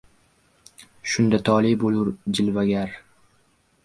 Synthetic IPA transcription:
ʃʊnd̪at̪ʰɒlˠɪbolʊɾd͡ʒɪlvaɡʲaɾ

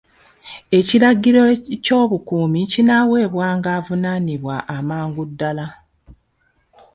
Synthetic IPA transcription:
e̞ciɾaɡiɾo̞co̞ːβukuːmicinawe̞ːβwaːŋɡaːvunaniβwaʔːmaːŋɡudːala

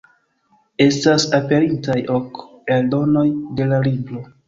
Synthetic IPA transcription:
e̞stasape̞ɾitajo̞k | eldo̞no̞jde̞lalibɾo̞

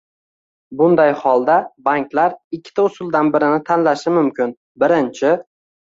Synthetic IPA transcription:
bʊnd̪ajhɒlˠd̪abaŋklaɾɪkʲʰːɪ̥t̪ʰaʊsʊlˠd̪anbɪɾɪnɪt̪ʰanlaʃɪmʊmkʲʰɪn | bɪɾɪnt͡ʃʰɪ

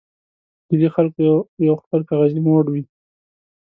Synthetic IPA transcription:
d̪əd̪exalkojawxt̪əlkaɣazimoɽwi

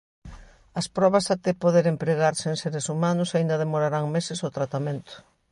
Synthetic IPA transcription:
ɐspɾɔβɐsat̪epoðeɾempɾeɣaɾsenseɾesumanʊsaind̪ɐðemoɾaɾaŋmesesot̪ɾat̪amẽnt̪ʊ̥

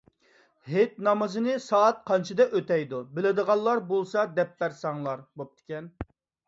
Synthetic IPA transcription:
ɦet̪nɑmɨzɨnɨsɑːt̪̚qʰɑnt͡ʃʰid̪ɛʔøt̪ɛjd̪ubɪlɪd̪əʁɑlˠːɑɾbolˠsɑd̪ɛp̚ːæɾsɑŋlˠɑɾbop̚t̪ʰɪ̥kʲɛn

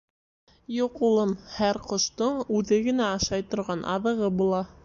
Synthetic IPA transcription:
juqulˠɤnhæɾqŏʃt̪ɤɴʉðɘɡɘ̆næɑʃɑjt̪ŏɾʁɑnʔɑ̰ðɤ̆ʁɤbulˠɑ

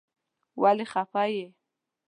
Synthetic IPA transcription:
waleχafaje

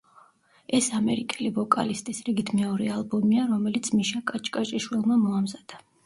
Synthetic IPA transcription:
ɛsamɛɾikʼɛlivɔkʼa̰list̪ʼisɾiɡit̪ʰmɛɔɾɛalˠbɔmiaɾɔmɛlit̪sʰmiʃakʼat͡ʃʼkʼaʃʼiʃwilˠmamɔamzad̪̥a

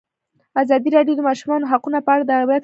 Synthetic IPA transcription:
azɑd̪iɾɑɖjod̪əmɑʃumɑnoɦaqunapəaɽad̪əabɾjat̪

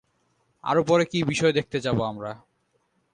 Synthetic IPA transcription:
a̰ɾopɔɾekibiʃɔed̪ek̚ʰt̪et͡ɕaboamɾa

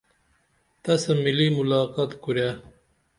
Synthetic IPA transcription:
t̪ɐsɐmilimulɑːqat̪kuɾja

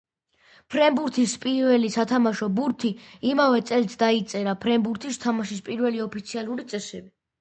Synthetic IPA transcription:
pʰɾɛmbuɾt̪ʰispʼiɾvɛlisat̪ʰamaʃɔbuɾt̪ʰiːmavɛt̪sʼɛlt̪ʰd̪ait̪sʼɛɾapʰɾɛmbuɾt̪ʰist̪ʰamaʃispʼiɾvɛliɔpʰit̪sʰialˠuɾit̪sʼɛsɛbi

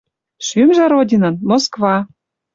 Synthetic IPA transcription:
ʃymʒĕɾodʲinɤ̆nmoskvɑ

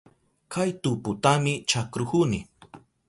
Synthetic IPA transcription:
kʰajt̪ʊpʊt̪amɪt͡ʃakɾʊhʊnɪ

